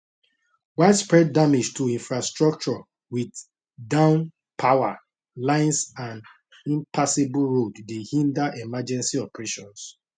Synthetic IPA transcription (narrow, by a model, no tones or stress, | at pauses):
waɪdspɹɛdːamed͡ʒtʰuĩnfɹastɹɔk̚t͡ʃɔ | wid | dãʊ̃n | pʰawa | lãɪ̃nsãn | ĩmpʰasebulɹoddehĩndaʔɛmad͡ʒɛ̃nsiɔpɹeʃɔ̃ns